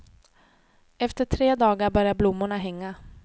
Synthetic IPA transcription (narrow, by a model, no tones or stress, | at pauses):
ɛft̪əʈʰɾeːd̪ɑːɡabœɾjablʊmːʊɳaɦɛŋːa